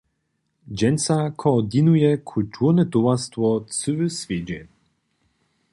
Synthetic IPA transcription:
d͡ʑɛnʲt̪sakʰɔːd̪inujɛkʰult̪ʰuʁnɛt̪ovast̪vɔt̪sɨvɘsvʲjed͡ʑɛ

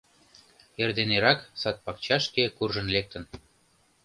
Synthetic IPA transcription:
erd̪eneɾɑksɑt̪̚pɑkt͡ɕɑʃkekurʒə̆nlek̚t̪ə̆n

